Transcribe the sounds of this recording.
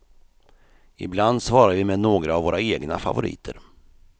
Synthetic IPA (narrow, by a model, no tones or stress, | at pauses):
ɪbland̪svɑːɾaəvɪmɛnoːɡɾaːvːoːɾaeːɡna̰fa̰vʊɾʔḭːt̪ʰə̰ɾ